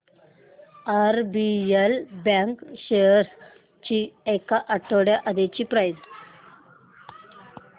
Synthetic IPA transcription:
aɾbielbaŋkɕeɾs | t͡ɕiekaʔɐʈːoɽjaʔɐd̪et͡ɕipɾajs

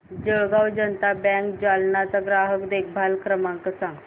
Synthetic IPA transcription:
d͡ʑəɭɡawd͡ʑənt̪abɛ̃ŋkd͡ʑalnat͡saɡɾaɦəkd̪ek̚ʰbʱalkɾəmãŋkəsãŋɡ

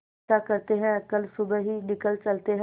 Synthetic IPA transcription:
akəɾt̪eɦɛ̃kəlsʊbəɦinɪkəlt͡ʃəlt̪eɦɛ̃

